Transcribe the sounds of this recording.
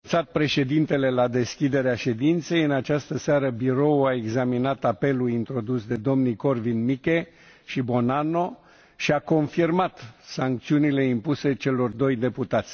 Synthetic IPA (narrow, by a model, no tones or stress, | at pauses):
t̪sat̪̚pɾe̞ʃe̞d̪int̪e̞le̞lad̪e̞skʲid̪e̞ɾeaʃe̞d̪int̪se̞jɨnat͡ʃast̪əseaɾəbiɾo̞wae̞ɡzaminat̪ape̞luint̪ɾo̞d̪usd̪e̞d̪o̞mnijko̞rvinmikʲe̞ | ʃibo̞nano̞ | ʃiako̞nfirmat̪saŋk̚t̪siunile̞impuse̞t͡ʃe̞lo̞rd̪o̞jd̪e̞put̪at̪sʲ